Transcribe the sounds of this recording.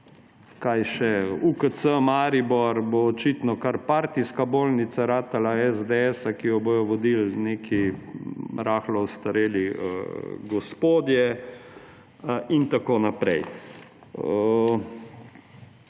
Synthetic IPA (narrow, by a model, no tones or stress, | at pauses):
kajʃɛukət̪səmaːɾibɔɾboːt͡ʃit̪nɔkaɾpaːɾt̪iskaboːlnit̪saɾaːt̪alaɛzd̪eɛsakijɔbojɔʋɔd̪ilneːkʰi | ɾaːxlɔwst̪aɾeːliə̰ɡɔspoːd̪jɛ | int̪akoːnapɾɛj